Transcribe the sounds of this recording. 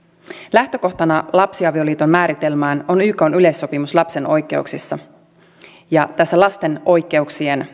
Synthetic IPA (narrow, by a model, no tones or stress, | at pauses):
læht̪ø̞ko̞ht̪ɑnɑlɑpsiɑʋio̞liːt̪o̞nmæːɾit̪e̞lmæːno̞nyːko̞nyle̞sːo̞pimuslɑpse̞no̞jkˑe̞̰ṵksisːɑ | jɑt̪æsːælɑst̪e̞no̞jkːˑe̞uksien